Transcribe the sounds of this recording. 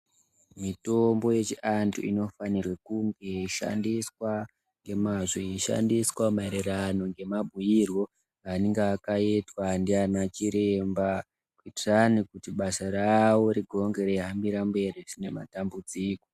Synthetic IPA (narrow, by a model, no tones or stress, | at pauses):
mito̞mbo̞je̞t͡ʃiʔantʰṵḭno̞fanirwekuŋɡeʃa̰ndiswa | ŋɡe̞maʐeʃa̰ndiswamaeɾerano̞ŋɡe̞mabʱujirwo̞ | aneŋɡeːkaitwandianat͡ʃiɾemba | kuitiranikutiɓasaɾawo̞ɾiɡʱo̞ŋɡe̞ɾeɦambiɾambe̞riʐine̞ma̰tambud͡ziːko̞